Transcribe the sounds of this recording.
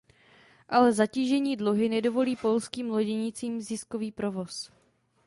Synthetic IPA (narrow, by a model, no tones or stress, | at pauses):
ʔalɛzaciːʒɛɲiːdluɦɪnɛdo̞vo̞liːpo̞lskiːmlo̞ɟɛɲɪt͡siːmzɪsko̞viːpɾo̞vo̞s